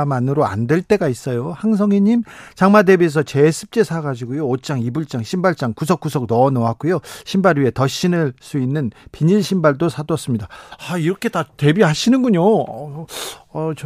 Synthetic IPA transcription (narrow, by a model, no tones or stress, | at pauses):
manɯɾoa̰ndwe̞ɭt͈e̞ɡais͈ʌjohaŋs̬ʰʌŋiɲimt͡ɕaŋmade̞bies̬ʰʌt͡ɕe̞sʰɯ̥p̚t͡ɕ͈e̞sʰaɡad͡ʑiɡojoːt͡ɕ͈aŋibuɭt͡ɕ͈aŋɕʰimbaɭt͡ɕ͈aŋkusʰʌk͈usʰʌk̚nʌnʌwak͈ojoɕʰimbaɾɥiɦe̞tʌɕ͈ʰinɯɭs͈uinːɯnpiɲiɭɕʰimbaɭdosʰadwʌs͈ɯmɲidaaiɾʌkʰe̞tate̞biɦaɕʰinɯnɡuɲoʌ | ʌt͡ɕ